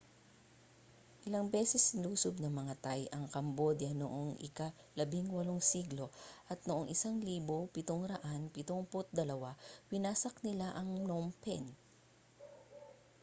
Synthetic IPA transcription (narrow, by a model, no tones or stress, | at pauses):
ʔɪlɐŋbɛːsɛsluːsobnɐmɐŋɐt̪ajɐŋkɐmbod̪ɐno̰ʔoŋɪ̰ka | lɐbiŋwɐloŋsiːɡlo̞ʔɐt̪̚noʔoŋʔɪsaŋliːbopɪt̪oŋɾɐʔanpɪt̪oŋpʊt̪̚d̪ɐlɐwawɪnaːsɐknɪlaʔɐŋnompɛ̰n